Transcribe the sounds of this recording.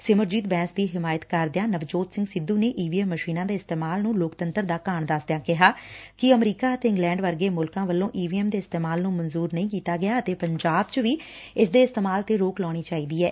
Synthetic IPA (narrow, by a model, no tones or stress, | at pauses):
sɪməɾd͡ʒiːt̪̚bɛ̃ːnsd̪iːɦɪmaːjət̪kəɾd̪ɪjãːnəʋd͡ʒoːt̪sɪ̃ŋɡsɪd̪ːũːneːʔiːʋiːɛːmːəʃiːnãːd̪eːɪst̪eːmaːlnũːloːkt̪ənt̪əɾd̪aːkaːɳd̪əsd̪jãːkɪɦaːkɪəmɾiːkaːət̪eːɪ̃ŋɡlɛ̃ːɳɖʋəɾɡeːmʊlkãːʋəlːõːʔiːʋiːɛːmd̪eːɪst̪eːmaːlnũːmənzuːɾnəĩːkiːt̪aːɡɪjaːət̪eːpəɲd͡ʒaːbt͡ʃəʋiː | ɪsd̪eːɪst̪eːmaːlt̪eːɾoːklɔːɽ̃iːt͡ʃaːiːd̪iːɛː